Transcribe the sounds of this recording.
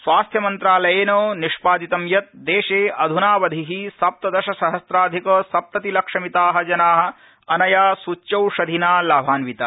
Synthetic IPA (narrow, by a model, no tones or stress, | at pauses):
sʋaːst̪ʰjɐmɐnt̪ɾaːlɐjeːnoːniʂpaːd̪it̪ɐmjɐt̪̚d̪eːʃeːʔɐd̪ʱunaːʋɐd̪ʱiɦisɐp̚t̪ɐd̪ɐʃɐsɐɦɐsɾaːd̪ʱikɐːsɐp̚t̪ɐt̪ilɐkʂɐmit̪aːɦɐ̆d͡ʒɐnaːɦɐ̆ | ɐnɐjaːsut͡ʃːt͡ʃɐwʃɐd̪ʱinaːlaːbʱaːnʋit̪a